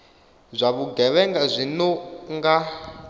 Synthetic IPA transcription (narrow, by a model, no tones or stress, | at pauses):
zʷaβuɡɛβɛŋɡazʷinɔŋɡa